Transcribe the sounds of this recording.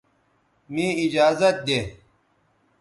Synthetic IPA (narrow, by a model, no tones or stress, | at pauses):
mĩːid͡ʑaːzɐt̪̚d̪e